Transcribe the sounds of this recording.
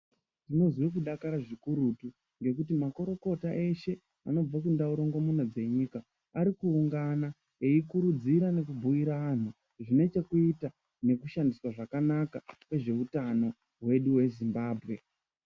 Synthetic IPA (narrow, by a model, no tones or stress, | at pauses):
dino̞zwik̬uɗakaɾaʐikuɾutu | ŋɡe̞kutimako̞ɾo̞ko̞taʔe̞ʃe̞ | ano̞b͡vak̬undauɾoŋɡo̞mun̤ad͡ze̞ɲikaː | ɾikuːŋɡana | eikuɾud͡ziɾane̞kubʱujiɾaan̤u | ʐine̞t͡ʃe̞kuita | ne̞kuʃandiswaʐakanakawe̞ʐe̞utano̞ | ɦwe̞ɗuwe̞zimbaːbʱɣe̞